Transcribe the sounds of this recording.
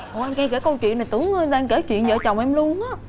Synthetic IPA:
ʔɔ˨˩ʔɛ˧mkaː˧ke˧˩kə˧wt͡ɕwḭ˧˨ənːa˨˩t̪ɨ˨˦əŋəː˧ɗaː˧ŋke˧˩t͡ɕwḭ˧˨ənzə̰ː˧˨t͡ɕa˨˩wŋ͡mʔɛ˧mlu˧ənʔaː˨˦˥

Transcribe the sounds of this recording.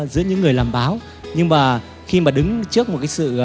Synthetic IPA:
zɨ̰˧˥əɲɨ̰˧˥ŋːɨ˨˩əjlaː˨˩mɓaː˨˦w | ɲɨ˧ŋmaː˨˩ | xi˧maː˨˩ɗɨ˨˦ŋt͡ɕɨ˦˥ək̚mo˨˩kaː˨˦sɨ̰˧˨

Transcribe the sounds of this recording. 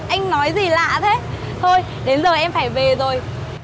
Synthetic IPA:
ʔa˧jŋ̟nɔ˨˦jzi˨˩la̰ː˧˨t̪ʰe˨˦ | t̪ʰo˧j | ɗe˨˦nzəː˨˩jʔɛ˧mfaː˧˩jve˨˩zo˨˩j

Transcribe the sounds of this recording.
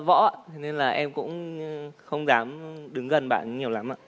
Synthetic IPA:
vɔ̰˧˥aː˧ne˧nlaː˨˩ʔɛ˧mkʊ̰˧˥ŋ͡mxə˧wŋ͡mzaː˨˦mɗɨ˨˦ŋɣə˨˩nɓa̰ː˧˨nɲi˨˩əwla˨˦mʔa̰ː˧˨

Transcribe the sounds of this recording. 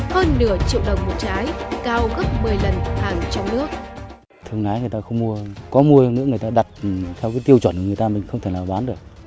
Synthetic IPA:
həː˧nːɨ̰˧˩ət͡ɕḭ˧˨əwɗə˨˩wŋ͡mmo˨˩t̚t͡ɕaː˨˦jkaː˧wɣə˦˥p̚mɨ˨˩əjlə˨˩nhaː˨˩ŋt͡ɕɔ˧wŋ͡mnɨ˦˥ək̚ | t̪ʰɨ˧əŋʔaː˨˦jŋɨ˨˩jt̪aː˧xə˧wŋ͡mmu˧əkɔ˨˦mu˧ə˧nɨ̰˧˥ŋɨ˨˩ə˩jt̪aː˧ɗa˨˩t̚t̪ʰɛ˧wkaː˨˦jt̪i˧əwt͡ɕwə˧˩n˨˩ŋɨ˨˩ə˩jt̪aː˧mï˨˩ŋ̟xə˧ŋ͡mt̪ʰe˧˩laː˨˩ɓaː˨˦nɗo˨˩k̚

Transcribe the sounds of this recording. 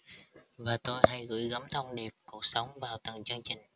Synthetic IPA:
vaː˨˩t̪o˧jha˧jɣɨ̰˧˥jɣə˨˦mt̪ʰə˧wŋ͡mɗi˨˩əp̚ku˨˩ək̚sə˨˦wŋ͡mvaː˨˩wt̪ə˨˩ŋt͡ɕɨ˧əŋt͡ɕï˨˩ŋ̟

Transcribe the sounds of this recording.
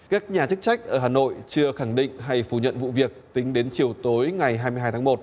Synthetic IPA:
kaː˦˥k̚ɲaː˨˩t͡ɕɨ˦˥k̚t͡ɕa˦˥jk̟̚ʔəː˧˩ɦaː˨˩no̰˧˨jt͡ɕɨ˧əxa˧˩ŋɗḭ̈˧˨ŋ̟ɦa˧jfu˧˩ɲə̰˧˨nvṵ˧˨vi˨˩ək̚t̪ï˨˦ŋ̟ɗe˨˦nt͡ɕi˨˩əwt̪o˨˦jŋa˨˩jɦaː˧jmɨ˧jɦaː˧jt̪ʰaː˨˦mo˨˩t̚

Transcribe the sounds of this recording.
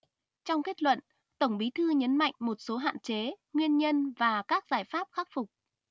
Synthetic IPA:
t͡ɕɔ˧wŋ͡mke˦˥t̚lwə̰˧˨n | t̪ə˧˩ŋ͡mɓi˨˦t̪ʰɨ˧ɲə˨˦nma̰˧˨jŋ̟mo˨˩t̚so˨˦ɦa̰ː˧˨nt͡ɕe˨˦ | ŋwi˧ənɲə˧nvaː˨˩kaː˦˥k̚zaː˧˩jfaː˦˥p̚xaː˦˥t̚fʊ˨˩k͡p̚

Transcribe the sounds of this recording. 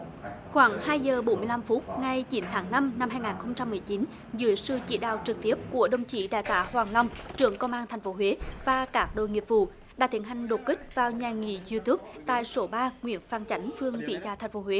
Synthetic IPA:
xwaː˧˩˦ŋhaː˧jzəː˨˩ɓo˨˦nmɨ˧əla˧mfu˦˥t̚ŋa˧jt͡ɕi˨˦nt̪ʰaː˨˦ŋna˧mna˧mɦaː˧jŋaː˨˩nxə˧wŋ͡mt͡ɕa˧mːɨ˨˩əjt͡ɕi˨˦n | zɨ̰˧˦əjsɨ̰˧˨t͡ɕḭ˧˩˦ɗa̰ː˧˨wt͡ɕɨ˨˩k̚t̪i˦˥əp̚ku˧˩əɗə˧wŋ͡mt͡ɕḭ˧˩ɗa̰ː˧˩jt̪a̰ː˧˦hwaː˨˩ŋla˧wŋ͡mt͡ɕɨ˧˩əŋkə˧wŋ͡mʔaː˧nt̪ʰɛ˨˩jŋ̟fo˨˦ɦwe˨˦vaː˨˩kaː˦˥k̚ɗo̰˧˨jŋi˨˩p̚vṵ˧˨ | ɗaː˧˥t̪ʰi˨˩ənɦa˨˩jŋ̟ɗo˨˩t̚kï˦˥k̟̚vaː˨˩wɲaː˨˩ŋḭ˧˩zu˧t̪u˦˥p̚t̪a̰ː˧˨jso˨˦ɓaː˧ŋwḭ˧˩ənfaː˧˩nt͡ɕa˨˦jŋ̟fɨ˧əŋvḭ˧˨zaː˧t̪ʰjŋ̟fo˨˦hwe˨˦

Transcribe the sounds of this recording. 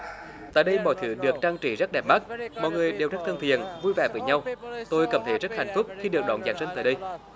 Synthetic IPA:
t̪a̰ː˧˨jɗə˧jmɔ̰˧˨jt̪ʰɨ˨˧˦ɗɨ˨˩ək̚t͡ɕaː˧ŋt͡ɕḭ˧˩zə˦˥t̚ɗɛ˨˩p̚ma˦˥t̚mɔ̰˧˨jŋɨ˨˩əjɗe˨˩wzə˦˥t̚t̪ʰə˧nt̪ʰḭ˨ənvu˧jvɛː˨˩vəː˨˦jɲa˧wt̪o˧jkə˧˦mt̪ʰe˧˩zə˦˥t̚ha˨˩jŋ̟fʊ˦˥k͡p̚xi˧ɗɨ˨˩ək̚ɗɔ̰˧˨˦nzaː˨˩ŋsə˧ŋt̪a̰ː˧˨jɗə˧j

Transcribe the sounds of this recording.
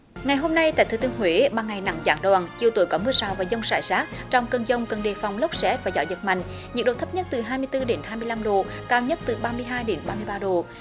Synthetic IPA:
ŋa˨˩jɦo˧mna˧jt̪a̰ː˧˨jt̪ʰɨ˨˩˦t̪i˧əŋɦwe˧˦ɓaː˨˩ŋa˨˩jna̰˧˥ŋza̰ː˨˦ŋɗwaː˨˩nt͡ɕi˨˩əwt̪ṵ˨˧˦jkɔ˨˦mɨ˧əsaː˧˩wvaː˨˩zə˧wŋ͡msa̰ː˧˩jsaː˦˥t̚t͡ɕɔ˧wŋ͡mkə˨˧˩nzə˧wŋ͡mkə˨˩nɗe˨˩fa˨˩wŋ͡mlə˦˥k͡p̚sɛ˦˥vaː˨˩zɔ̰˧˨˦jzə˨˩t̚ma̰˧˨jŋ̟ | ɲɨ̰˧˥ŋɗo̰˨t̪ʰə˦˥p̚ɲə˦˥t̚t̪ɨ˨˩ɦaː˧jmɨ˧əjt̪ɨ˧ɗe˨˦nhaː˧jmɨ˧əjla˧mɗo˨˩kaː˧wɲə˦˥t̚t̪ɨ˨˩ɓaː˧mɨ˧əjɦaː˧jɗe˨˦nɓaː˧mɨ˧əjɓaː˧ɗo˨˩

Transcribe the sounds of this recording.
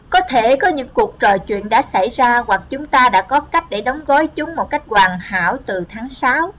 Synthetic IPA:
kɔ˨˦t̪ʰe˧˩kɔ˨˦ɲɨ̰˧˥ŋku˨˩ək̚t͡ɕɔ˨˩jt͡ɕwḭ˧˨ənɗa̰ː˧˥sa˧˩jzaː˧ɣwa˨˩k̚t͡ɕʊ˨˦ŋ͡mt̪aː˧ɗa̰ː˧˥kɔ˨˦ka˦˥jk̟̚ɗe˧˩ɗɔ˨˦wŋ͡mɣɔ˨˦jt͡ɕʊ˨˦ŋ͡mmo˨˩t̚ka˦˥jk̟̚ɣwaː˨˩ŋha̰ː˧˩˨wt̪ɨ˨˩t̪ʰaː˨˦ŋsaː˨˦w

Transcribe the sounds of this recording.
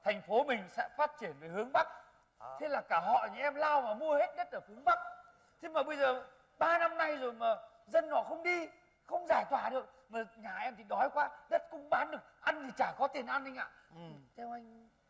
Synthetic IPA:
t̪ʰɛ˨˩jŋ̟fo˨˦mï˨˩ŋ̟sɛ̰˧˥faː˦˥t̚t͡ɕi˧˩ənveː˨˩hɨ˨˦əŋɓa˦˥k̚ | t̪ʰe˨˦laː˨˩kaː˧˩ɦɔ̰˧˨ɲi˧˩ʔɛ˧mlaː˧wvaː˨˩mu˧əhe˦˥t̚ɲə˦˥t̚ʔəː˧˩fʊ˨˦ŋ͡mɓa˦˥k̚ | t̪ʰe˨˦maː˨˩ɓə˧jzəː˨˩ | ɓaː˧na˧mna˧jzo˨˩jmaː˨˩ | zə˧nːɔ̰˧˨xə˧wŋ͡mɗi˧ | xə˧wŋ͡mzaː˧˩jt̪waː˧˩ɗɨ˨˩ək̚ | maː˨˩ɲaː˨˩ʔɛ˧mt̪ʰi˨˩ɗɔ˨˦jkwaː˧ɗə˦˥t̚kʊ˧˥ŋ͡mɓaː˨˦nɗɨ˨˩ək̚ʔa˧nt̪ʰi˨˩t͡ɕaː˧˩kɔ˨˦t̪i˨˩ənʔa˧nʔjŋʔa̰ː˧˨ | ʔɨ˨˩t̪ʰɛ˧wʔa˧jŋ̟

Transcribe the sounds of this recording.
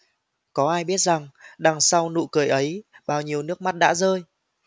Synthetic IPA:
kɔ˨˦ʔaː˧jɓi˦˥ət̚za˨˩ŋɗa˨˩ŋsa˧wnṵ˧˨kɨ˨˩əjʔə˨˦jɓaː˨˩wɲi˨˩əwnɨ˦˥ək̚ma˦˥t̚ɗa̰ː˧˥zəː˧j

